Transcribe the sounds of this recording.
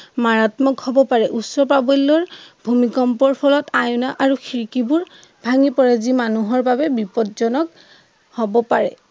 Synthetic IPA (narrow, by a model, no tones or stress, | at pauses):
maɹatmɔkhɔbɔpaɹɛʔusːɔpabɔlːɔɹbʱumikɔmpɔɹpʰɔlɔtajunaʔaɹuxʰiɹkibuɹ | bʱaŋipɔɹɛzimanuɦɔɹbabɛbipɔtzɔnɔk | hobɔpaɹɛ̰